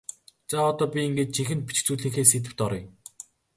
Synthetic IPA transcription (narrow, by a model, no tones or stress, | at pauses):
t͡saɔt̪ɔːpʲiiŋɡeːt̪̚t͡ɕʰiŋxɘ̆nt̪̚pi̥t͡ɕt͡suːɮiːŋxeːset̪̬ɘ̆w̥t̪ɔɾɞ̆